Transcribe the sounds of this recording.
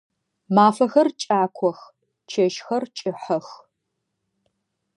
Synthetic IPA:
maːfɐxɐrt͡ʃʼaːkʷʰɔx | t͡ʃʰɐʃxɐrt͡ʃʼɪħɐx

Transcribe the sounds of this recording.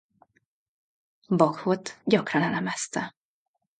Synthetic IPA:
bɒkhot̪ɟɒkrɒnɛlɛmɛst̪ɛ

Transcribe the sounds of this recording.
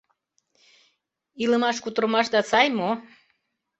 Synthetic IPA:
iləmɑʃkut̪ɾɤmɑʃd̪ɑt͡sɑjmo

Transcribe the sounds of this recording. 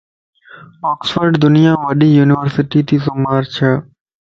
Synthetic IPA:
ɔːksfəɾɖd̪ʊnɪjãːʋəɗiːjuːnɪʋəɾsɪʈiːt̪iːsomaːɾt͡ʃʰeː

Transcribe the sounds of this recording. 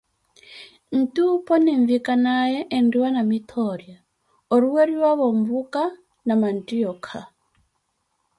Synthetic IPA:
n̩tupɔniɱvikanajeʔːndiwanamitʰɔɾja | oɾuweɾiɾwaβoɱvuka | namantiɔkʰa

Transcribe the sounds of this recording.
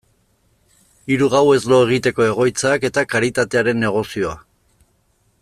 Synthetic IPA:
iɾuɣawezlo̞e̞ɣ̞it̪e̞ko̞e̞ɣ̞o̞jt͡sake̞t̪akaɾit̪at̪e̞aɾe̞nːe̞ɣ̞o̞sio̞a

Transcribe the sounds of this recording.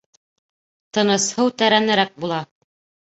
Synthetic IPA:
t̪ɤ̆nɤ̆shɤwt̪æɾænɘ̆ɾæk̚bulˠɑ

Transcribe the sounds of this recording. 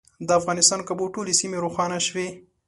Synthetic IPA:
d̪əafɣɑnɪst̪ɑnkaboʈolesimeɾoxɑnaʃwe

